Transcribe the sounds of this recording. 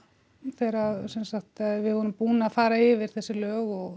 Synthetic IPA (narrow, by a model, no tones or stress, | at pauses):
θɛːɾaðsɛnsaxt̪vɪðvɔːɾʏmpuːnaːfaːɾaɪvɪɾ̥θɛsːɪlœːɣɔɣ